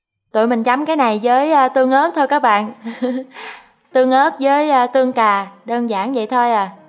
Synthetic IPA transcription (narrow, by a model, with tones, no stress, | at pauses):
t̪ṵ˧˨jmï˨˩ŋ̟t͡ɕa˨˦mkaː˨˦jna˨˩jzəː˨˦jːt̪ɨ˧əŋʔə˦˥t̚t̪ʰo˧jkaː˦˥k̚ɓa̰ː˧˨n | t̪ɨ˧əŋʔəː˦˥t̚zəː˨˦jːt̪ɨ˧əŋkaː˨˩ɗəː˧nzaː˧˩nvə̰˧˨jt̪ʰo˧jʔa˨˩